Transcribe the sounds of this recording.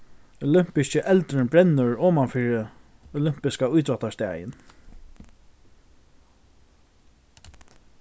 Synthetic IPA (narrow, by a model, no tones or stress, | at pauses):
ɔlʏm̥pɪscəʔɛlt̪ɾɪnbɾɛnːʊɹɔːmafiːɹɪ | ɔlʏm̥pɪskaʊjt̪ɾɔt̪ast̪ɛ̰ːjɪ̰n